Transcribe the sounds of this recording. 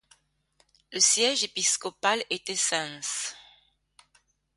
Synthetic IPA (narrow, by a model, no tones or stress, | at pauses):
ləsjɛʒepiskɔpalet̪ɛsɛ̃s